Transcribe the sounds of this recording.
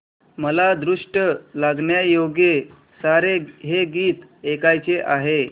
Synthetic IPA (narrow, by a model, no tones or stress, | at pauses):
məlad̪ɾuʂʈəlaɡɳjajoɡe | saɾeɦeɡiːt̪ekajt͡seʔaɦe